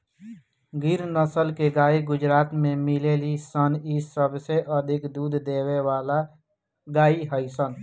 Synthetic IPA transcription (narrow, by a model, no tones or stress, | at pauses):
ɡɪɾnəsəlkeɡaːiɡʊd͡ʒɾaːt̪mẽmɪlelisənisəbseʔəd̪ʱɪkd̪uːd̪ʱd̪eːwewaːla | ɡaːiɦəisən